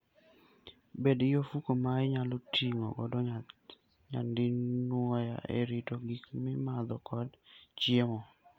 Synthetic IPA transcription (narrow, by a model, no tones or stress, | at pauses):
bedɪjofukomaɪɲalotʰiŋo̰ɡɔdɔ | ɲa̰ndɪnnwɔja̰ʔḛɾitoɡikmɪmad̪ɔkʰɔdt͡ʃjemɔ